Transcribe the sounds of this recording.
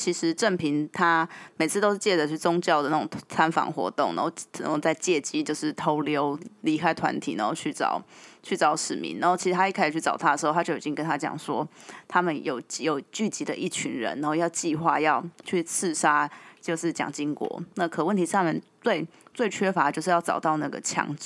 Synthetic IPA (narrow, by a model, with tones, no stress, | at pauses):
t͡ɕʰi˧˥ʂɻ̩˧˦ʈ͡ʂə˥˩npʰi˧˥nt̪ʰa˥me˨˩ɪt͡sʰɹ̩˥˩t̪o˥ʊʂ̩˥˩t͡ɕjɛ˥˩d͡zə˩y˥˩t͡sʊ˥ŋt͡ɕjɑ˥˩ʊd̪ə˩na˥˩ʈ͡ʂʊ̰˨˩ŋʰt͡sʰa˥nfɑ̰˨˩˦ŋxwɔ̰˧˥t̪ʊ˥˩ŋna̰˧˦xo˥˩˥t͡sa˥˧ɪt͡ɕjɛ˥˩t͡ɕi˥t͡ɕjo˥˧ʊʂɻ̩˥˩t̪ʰo˧˥ʊljo˥ʊli˧˥kʰa˥ɪt̪ʰwa̰˧˦nt̪ʰḭ˨˩na̰˧˦xo˥˧t͡ɕʰy˥˩t͡sɑ̰˨˩˦ʊt͡ɕʰy˥˩t͡sɑ˧˥ʊʂɻ̩˨˩mḭ˧˥na˧˥xo˥˩t͡ɕʰi˧˥ʂɻ̩ʰ˧a˥i˥˩ka˥˩ʂ̩ʰ˨˩y˥˩ʈ͡ʂɑ˨˩ʊt̪ʰa˥də˩ʂ̩˧˥o˥˧tʰa˥t͡ɕjo˥˩ʊi˨˩t͡ɕi˦ŋkə˥nt̪ʰa˥t͡ɕjɑ̰˨˩ŋʂwɔ˦˥t̪ʰa˥mə˨njo˨˩ʊt͡ɕjo˨˩ʊt͡ɕy˥˩t͡ɕi˧˥d̪ə̰˧ʔi˥˩t͡ɕʰy˧˥nɻə̰˧˦na˧˥xo˥˧ʊjɑ˥˧ʊt͡ɕi˥˧xwa˥˧jɑ˥˧ʊt͡ɕʰy˥˩t͡sʰɹ̩˥˩ʂa˥t͡ɕjo˥˧ʊʂɻ̩˥˩t͡ɕjɑ̰˨˩ŋt͡ɕi˥ŋkwɔ̰˧˥na˥˩kʰəɤ˨˩wə˥˩nt̪ʰi˧ʂɑ˥˩ŋmjə˨˩nt͡swe˥˩ɪ | t͡swe˥˩ɪt͡ɕʰɥɛ˥fa˧˥ət͡ɕjo˥˧ʂɻ̩˧jɑ˥˩ʊʈ͡ʂɑ˨˩ʊt̪ɑ˥˧ʊna˥˩ɡə̰˩t͡ɕʰjɑ̰˧˥ŋt͡s